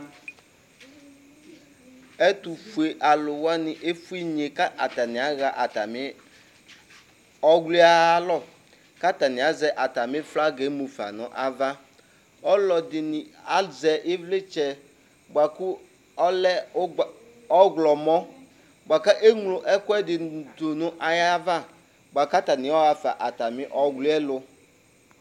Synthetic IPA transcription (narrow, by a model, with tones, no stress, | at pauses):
e˦t̪u˨fu˨e˨ʔa˨lʊ˨wa˦nɪ̃˨ʔe˦fu˦i˦ɲe˨ka˦ʔa˨t̪a˨nɪ̃˨a˦ɣa˨ʔa˨t̪a˨mɪ˦ | ɔ˦ɡli˦a˦lɔ˦˨ | ka˦t̪a˨nɪ̃˨a˨zɛ˨ʔa˨t̪a˨mɪ̃˦fla˦ɡe˨˦mu˨fa̰˨nɔ̰̃˦ʔa˨va˦ | ɔ˦lɔ˨dɪ˨nɪ˨a˦zɛ˨ʔɪ˦vle˦t͡ʃɛ˨ | ba˨ku˦ | ɔ˦lɛ˦ | ɔ˦ɡlɔ˨mɔ˦ | ba˨ka˦ʔe˦ŋlʊ˨ʔɛ˦kʊ˦ɛ˦dɪ˨dʊ˨nʊ̃˦ʔa˨ja˦va˦ | ba˨ka˦t̪a˨nɪ˨˦ɔ˦ɣa˨fa̰˨ʔa˨ta˨mɪ̃˦ʔɔ˦ɡlu˦ɛ˦lʊ˦